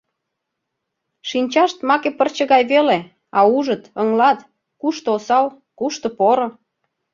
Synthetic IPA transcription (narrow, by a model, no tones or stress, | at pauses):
ʃinʲt͡ɕɑʃt̪mɑkepərt͡ɕə̆ɣɑjβele | ɑuʒət̪əŋlɑt̪ | kuʃt̪oosɑl | kuʃt̪opoɾŏ